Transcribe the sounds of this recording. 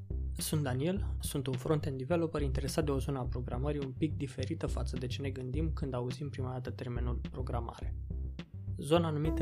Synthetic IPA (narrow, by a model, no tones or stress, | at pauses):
sunt̪̚d̪anie̞lsunt̪unfɾo̞nt̪e̞nd̪ive̞lo̞pəɾint̪e̞ɾesat̪̚d̪e̞o̞zo̞nəapɾo̞ɡɾaməɾiumpik̚d̪ife̞ɾit̪əfat̪səd̪e̞t͡ʃe̞ne̞ɡɨnd̪imkɨnd̪auzimpɾimad̪at̪ət̪e̞rme̞nulpɾo̞ɡɾama̰ɾe̞ | zo̞naːnumit̪